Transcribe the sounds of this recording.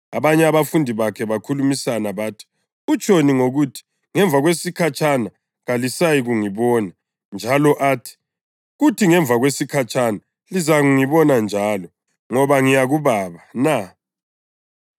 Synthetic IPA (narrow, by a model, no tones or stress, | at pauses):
aβaɲɛaβafundʱiβakʰɛβakʰulumisanaβaːtʰi̥ | ut͡ʃʼoniŋoɣutʰi̥ | ŋɛɱvʱaɣwesikʰat͡ʃʰʼana | ɣalisajiɣuŋiβɔːna | nd͡ʒʱalɔʔaːtʰi̥ | ɣutʰiŋɛɱvʱaɣwesikʰat͡ʃʰʼana | lizaɣuŋiβɔnand͡ʒʱalɔ | ŋɔβaŋijaɣuβaːβana